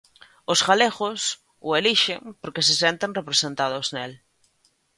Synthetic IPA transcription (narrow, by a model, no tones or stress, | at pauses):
ʊsɣaleɣʊs | ʊeliʃeŋpoɾkɪsɪsent̪eŋrepɾesent̪aðʊznel